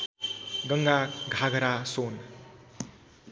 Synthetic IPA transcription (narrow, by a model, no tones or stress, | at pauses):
ɡʌŋɡaɡʱaɡʱʌɾason